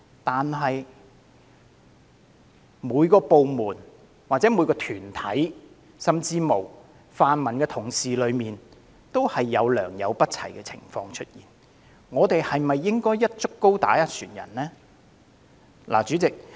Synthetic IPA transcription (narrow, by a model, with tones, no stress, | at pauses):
t̪aː˨nɦɐ˨j | muː˨˧jkɔː˧po˨wmuː˨˩n | waː˨˩t͡sɛː˨˥muː˨˧jkɔː˧t̪ʰyː˨˩nt̪ʰɐ̰˨˥j | sɐ˨mt͡siː˧mo˨˩w | faː˧nmɐ˨˩nkɛː˧t̪ʰʊ˨˩ŋsiː˨lɵ˨˧ɥmiː˨n | t̪o˥whɐ˨jːɐ˨˧wlœ̰ː˨˩ŋjɐ˨˧wpɐ˥t̚t͡sʰɐ̰˨˩jkɛ˧t͡sʰɪ̰˨˩ŋfɔː˧ŋt͡ʃʰɵ˥t̚jiː˨n | ŋɔː˨˧t̪e˨jhɐ˨jmɐ˨jːɪ˥ŋkɔː˥jːɐ˥t̚t͡sʊ˥kːo˥wt̪aː˨˥jɐ˥t̚syː˨˩njɐ̰˨˩nlɛː˥ | lʔa̰ː˨˩t͡ʃyː˨˥t͡sɪ˨k̚